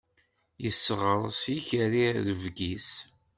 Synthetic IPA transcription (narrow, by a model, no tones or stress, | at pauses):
jəsːʁəɾˤsiçəɾiðəvɡis